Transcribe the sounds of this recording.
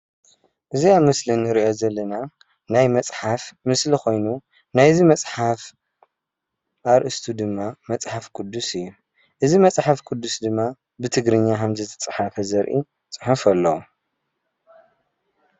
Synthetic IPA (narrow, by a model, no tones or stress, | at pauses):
ʔɨziaβmɨslinːɨɾiʔo̞zɐlːɐna | najmɐt͡sʼħafmɨsliko̞jnu | najzimɐt͡sʼħaf | ʔaɾʔɨst̪ʰud̪ɨmːamɐt͡sʼħafkʰʼud̪ːusɨjːu | ʔɨzimɐt͡sʼħafkʰʼʊd̪ːusd̪ɨmːa | bɨt̪ʰɨɡɾɨɲːakɐmzɨt̪ʰɐt͡sʼħafɐzɐɾʔḭ | t͡sʼɨħufɐlːɐwu